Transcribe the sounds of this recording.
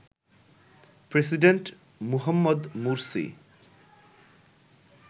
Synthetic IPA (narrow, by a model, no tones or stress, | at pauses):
pɾes̬iɖeɳʈ | muɦɔmːɔd̪muɾsḭ